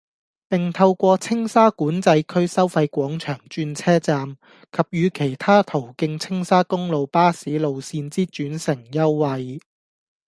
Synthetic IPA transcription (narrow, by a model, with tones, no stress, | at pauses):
pɪ˨ŋt̪ʰɐ˧wkʷɔː˧t͡sʰɪ˥ŋsaː˥kuː˨˥nt͡sɐ˨˧jkʰɵ˥ɥsɐ˥wfɐ˧jkʷɔː˨˥ŋt͡ʃʰœː˨˩ŋt͡ʃyː˧nt͡sʰɛː˥t͡saː˧m | kʰɐ˨p̚jyː˨˧kʰe˨˩jt̪ʰaː˥t̪ʰo˨˩wkɪ˧ŋt͡sʰɪ˥ŋsaː˥kʊ˥ŋlo˨wpaː˥siː˨˥lo˨wsiː˧nt͡siː˥t͡ʃyː˨˥nsɪ˨˩ŋjɐ˥wːɐ˧j